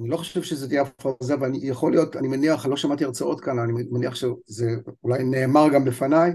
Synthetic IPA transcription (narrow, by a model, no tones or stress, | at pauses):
nilo̞χoʃevʃezetijeafazaveanijaχo̞lijo̞tanimeniaχlo̞ʃamatiaʁt͡sao̞tkananimeniaχʃezeulajneːmaʁɡamlefanaj